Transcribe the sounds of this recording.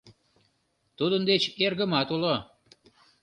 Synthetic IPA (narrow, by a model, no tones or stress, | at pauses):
t̪ud̪ənd̪et͡ɕerɣəmɑt̪ulo